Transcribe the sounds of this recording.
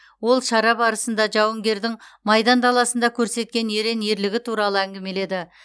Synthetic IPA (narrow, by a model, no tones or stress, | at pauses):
wo̞lˠʃɑɾɑbɑɾəsənd̪ɑʒɑwəŋɡʲe̞ɾd̪ɪŋmɑjd̪ɑnt̪ʰɑlˠɑsənd̪ɑkʲʰɵɾse̞t̪̚kʲe̞ne̞ɾe̞nje̞ɾlɪɡʲɪt̪ʰuɾɑlˠəæŋɡʲɪme̞le̞d̪ɪ